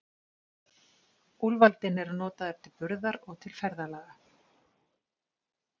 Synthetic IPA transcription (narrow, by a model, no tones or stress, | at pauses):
ulvalt̪ɪnɛɾʏnɔːt̪aðɛft̪ʰɪlpʏɾðaɾɔɣt̪ʰɪlfɛɾðalaːɣa